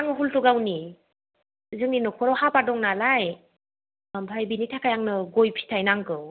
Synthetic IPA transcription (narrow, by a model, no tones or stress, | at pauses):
aŋɯɦultuɡawni | zɯŋninɔkʰɔɾɔwhapadɔŋnalaj | mpʰajbinitʰakʰajaŋnɯɡojpʰi̥tʰajnaŋɡɯw